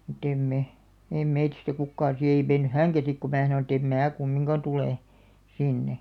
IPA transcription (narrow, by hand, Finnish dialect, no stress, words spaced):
mut em me eim̆ meitistæ kukːɑːn̞ si ei menːy hæŋkæ sik ku mæː sɑnon̆ ĕt em mæː kumːiŋkɑ tuleˑ sinːe